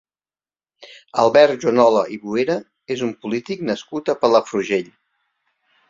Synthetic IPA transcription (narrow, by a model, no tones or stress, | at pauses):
əlˠβɛɾt̪ʒwənɔləʔiβueɾə | ezumpulit̪iknəskut̪əpələfɾuʒeʎ